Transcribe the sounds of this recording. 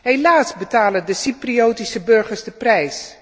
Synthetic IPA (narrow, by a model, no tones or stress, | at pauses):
ɦejlaːsbətaːləndəsiprioːtisəbɵɹχəɹzdəprɛjs